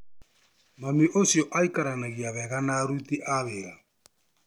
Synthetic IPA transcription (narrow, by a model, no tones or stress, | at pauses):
mamiʔosjɔʔaikaɾanaɣiaβɛɣanaɾut̪iʔaβeɣa